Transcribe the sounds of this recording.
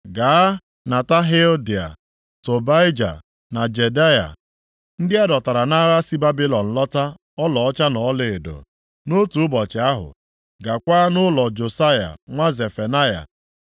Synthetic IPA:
ɡa˨a˦ | na˨ta˦ɦe˦o˦di˨a̰˨ | to˨ba˦ɪ˦d͡ʒa̰˨ | na˨d͡ʒe˨da˦ja̰˨ | n̩˦dɪ˦a˦dɔ˨ta˨ɾa˨na˦ɣa˦si˦ba˦bi˦lɔ˨n̩˨lɔ˦ta˦ | ɔ˦lɔ˨ɔ˦t͡ʃa˦nɔ˨˦le˨e˨do̰˨ | no˦tu˨˦ʊ˦bɔ˨t͡ʃɪ˨a˦ɦʊ̰˨ | ɡa˨kʷa˦nʊ˦lɔ˨d͡ʒo˨sa˦ja̰˨ŋʷa˦ze˨fe˨na˦ja̰˨

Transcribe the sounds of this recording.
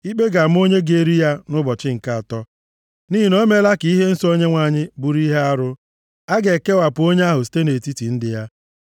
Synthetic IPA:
i˦k͡pe˦ɡa˨m̩˦o˦ɲe˦ɡe˨ɾi˦ja˦nʊ˦bɔ˨t͡ʃɪ˦ŋ̩˨ka˦a˨tɔ˦ | ni˦ɦi˨no˦me˦la˦ki˦ɦe˦n̩˦so˦ɲe˦ŋʷa˨ɲɪ˦bu˨ɾi˦ɦe˦a˦ɾʊ˦ | a˦ɡe˨ke˦wa˨pʊ˨o˦ɲe˦a˦ɦʊ˨s̬i̥˦te˦ne˨ti˦ti˨n̩˦dɪ˨ja˦

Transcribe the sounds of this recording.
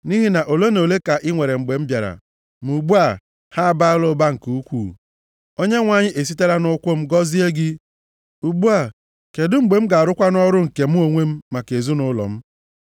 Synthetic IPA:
ni˦ɦi˦na˨ʔo˨lo˦no˨le˦ka˨ʔɪ˦ŋʷe˨ɾe˨m̩˨ɡ͡be˨m̩˦bja˨ɾa̰˨ | mu˨ɡ͡bu˦a˨ | ha˦a˨ba˦lo˦ba˦ŋ̩˨ku˦kʷṵː˦˨ | o˦ɲe˦ŋʷa˨ɲɪ˦ʔe˨s̬i˦te˦ɾa˦nʊ˦kʷʊ˦m̩˦ɡɔ˦zi˦e˦ɡɪ˦ | u˨ɡ͡bu˦a˨ | ke˨dʊ˦ŋ͡m̩˨ɡ͡be˨m̩˦ɡa˨a˨ɾʊ˦kʷa˦nɔ˦ɾʊ˦ŋ̩˨ke˨m̩˦o˨ŋʷe˦m̩˦ma˨ke˨zu˦nʊ˦lɔ̰˨m̩˦

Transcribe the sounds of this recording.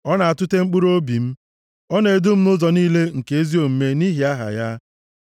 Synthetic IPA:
ɔ˦na˨a˨tʊ˦te˦ŋ͡m̩˦k͡pu˦ɾo˦bi˨m̩˦ | ɔ˦ne˨e˨du˦m̩˦nʊ˦zɔ˨niː˦le˦ŋ̩˨ke˨e˦zi˦o˨m̩˨me˦ni˦ɦi˨a˦ɦa̰˨ja˦

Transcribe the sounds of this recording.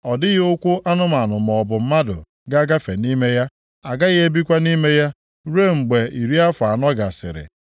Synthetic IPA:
ɔ˨dɪ˦ɣɪ˦ʊ˦kʷʊ˦ʔa˦nʊ˦ma˨nʊ˨m˨ɔ˨bʊ˨m̩˦ma˦dʊ̰˨ | ɡa˦ɡa˦fe˨ni˦me˦ja˦ | a˨ɡa˦ɣɪ˦e˦bi˦kʷa˦ni˦me˦ja˦ | ɾe˦ŋ͡m̩˨ɡ͡be˨i˨ɾi˦a˦fa˨nɔ˦ɡa˨sɪ̰˨ɾɪ̰˨

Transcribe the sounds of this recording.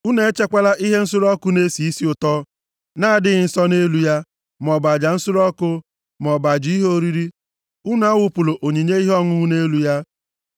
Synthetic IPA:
u˦ne˨e˦t͡ʃe˦kʷa˦la˦ʔi˦ɦe˦n̩˦sʊ˦ɾɔ˦kʊ˦ne˦si˨i˦si˦ʊ˨tɔ˦ | naː˦a˨dɪ˦ɣɪ˨n̩˦sɔ˦ne˦lu˨ja˦ | m˨ɔ˨ba˨d͡ʒa˨n̩˦sʊ˦ɾɔ˦kʊ˦ | mɔ˨ba˨d͡ʒi˦ɦo˦ɾi˦ɾi˦ | ʊ˦na˦wʊ˦pʊ˨lo˨ʔo˨ɲe˨ɲe˦i˦ɦɔ˦ŋʊ˦u˦ne˦lu˨ja˦

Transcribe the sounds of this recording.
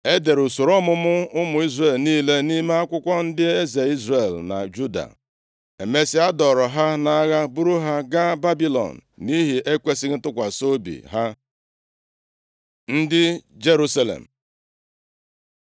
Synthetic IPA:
e˦de˨ɾu˨so˨ɾɔ˦mʊ˦mʊ˦ʊ˦mʊ˨i˦zre˨lniː˦le˦ni˦me˦a˦kʷʊ˦kʷɔ˦n̩˦dɪ˦e˦ze˨i˦zre˨lna̰˨d͡ʒu˦da̰˨ | e˨me˦sɪ˦a˦dɔ˨ɾɔ˨ɦa˦na˦ɣa˦bu˦ɾu˦ɦa˦ɡa˦ba˦bi˦lɔ̰˨n̩˨ni˦ɦi˨ʔe˦kʷe˦si˦ɾ̩˦tʊ˦kʷa˨so˦bḭ˨ɦa˦ | n̩˦dɪ˦d͡ʒe˦ɾu˦sa˦lḛ˨m̩˨

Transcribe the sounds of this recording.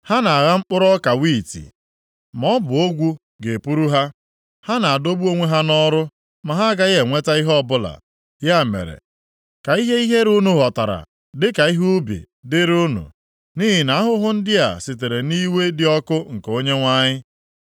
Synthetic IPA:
ha˦na˨a˨ɣa˦ŋ͡m̩˦k͡pʊ˦ɾɔ˦ka˨wi˦˨tḭ˨ | m˨ɔ˦bʊ˨o˦ɡʷu˦ | ɡe˨pu˦ɾu˦ɦa˦ | ha˦na˨a˨do˦bu˦o˦ŋʷe˦ɦa˦nɔ˦ɾʊ˦ | ma˨ɦa˦ɡa˦je˨ŋʷe˦ta˦i˦ɦɔ˦bʊ˦la̰˨ | ja˦˨mḛ˨ɾḛ˨ | ka˨i˦ɦe˦i˦ɦe˦ɾu˦nu˨ɦɔ˨ta˨ɾa̰˨ | dɪ˦ka˨i˦ɦu˦bḭ˨ | dɪ˦ɾu˦nṵ˨ | niː˦ɦɪ˨na˨a˦ɦʊ˦ɦʊ˦n̩˦dɪ˦a̰˨si˨te˨ɾe˨ni˦we˦dɪ˦ɔ˦kʊ˦ŋ̩˨ko˦ɲe˦ŋʷa˦ɲɪ˦

